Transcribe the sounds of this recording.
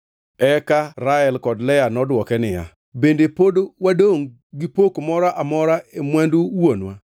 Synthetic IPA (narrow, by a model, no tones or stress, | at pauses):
ɛkaɾaɛlkɔdlɛjanɔdwɔkɛnɪja̰ | bendepodowadoŋ | ɡipokmɔɾaʔamɔɾaemwanduwonwa